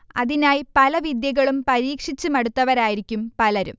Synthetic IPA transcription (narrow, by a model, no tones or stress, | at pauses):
ɐ̰ðinaːjpɐlɐʋid̪jɐɣɐɭumpɐɾiːkʂit͡ɕːɨmɐɽut̪ːɐʋɐɾaːjiɾikʲːumpɐlɐɾṵm